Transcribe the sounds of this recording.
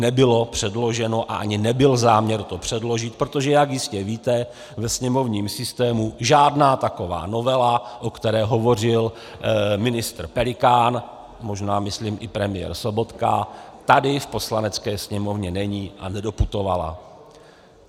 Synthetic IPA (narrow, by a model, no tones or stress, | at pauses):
nɛbɪlo̞pr̥ɛdlo̞ʒɛno̞ʔa̰ʔaɲɪnɛbɪlzaːmɲɛɾt̪o̞pr̝̥ɛdlo̞ʒɪt̪̚pɾot̪oʒɛjakjɪscɛviːt̪ɛ | vɛsɲɛmo̞vɲiːmsɪst̪ɛːmuʒaːdnaːt̪ako̞va̰ːno̞vɛlaʔokt̪ɛɾɛːɦo̞vo̞r̝ɪl | mɪnɪst̪r̩pɛlɪkaːn | mo̞ʒnaːmɪsliːmʔɪpɾɛmɪjɛ̰ɾso̞bo̞t̪ka̰t̪adɪfpo̞slanɛt͡skɛːsɲɛmo̞vɲɛnɛɲiːʔa̰nɛdo̞put̪o̞vala̰